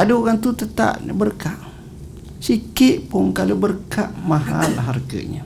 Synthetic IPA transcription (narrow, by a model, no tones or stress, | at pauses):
adəoɣaŋt̪ut̪ət̪a̰ʔə̰bərkaʔ | sikɪʔpʊŋkalubərkaʔmaɦa̰laɦarɡə̰ɲə̰